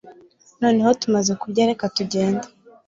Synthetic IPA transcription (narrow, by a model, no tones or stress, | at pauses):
no̞ːne̞ho̞tumaze̞kubɟaːɾekatuɟe̞ːndḁ